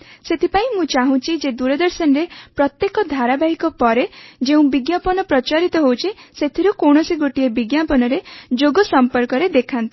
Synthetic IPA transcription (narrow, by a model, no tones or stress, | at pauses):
set̪ʰipaĩmũt͡ʃaɦũt͡ʃʰid͡ʒed̪uɾɔd̪ɔɾsɔnɾepɾɔt̪jekɔd̪ʱaɾabaɦikɔpɔɾed͡ʒeũbiɡjapɔnɔpɾɔt͡ʃaɾit̪ɔɦowt͡ʃʰiset̪ʰiɾukoɳ̃ɔsiɡoʈiebiɡjapɔnɔɾed͡ʒoɡɔsɔmpɔɾkɔɾed̪ekʰant̪i̥